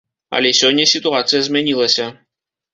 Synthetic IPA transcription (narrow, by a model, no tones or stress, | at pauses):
a̰lʲesʲonʲːesʲit̪uat̪sɨjəzmʲɛnʲilˠəsʲɐ